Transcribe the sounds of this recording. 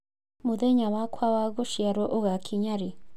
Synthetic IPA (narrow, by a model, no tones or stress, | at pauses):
moðeɲamakʰwawaɣoʃjaɾɔʔoɣakʰiɲaɾe